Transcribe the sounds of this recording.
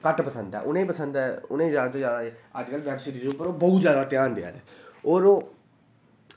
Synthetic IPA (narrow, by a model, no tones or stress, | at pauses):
kəʈpəsənd̪ɛ̰ːʔʊnẽːpəsənd̪ɛʊnẽːzjaːd̪t̪õːjaːd̪aːeːəd͡ʒkəlʋɛːpsɪɖiɾuːpəɾoːbəut̪zjaːd̪aːt̪ɪjaːnd̪ɪa̰ːɛ̰ːoːɾoː